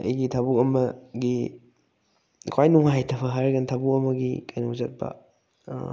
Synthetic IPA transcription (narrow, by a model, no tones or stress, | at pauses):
ɐ̰jɡitʰabuɐmɐɡi | kʰwajnuŋhaajtʰɐpʰɐɦaɾɐɡɐntʰabukɐmɐɡikajnuŋzɐt̚pɐ̰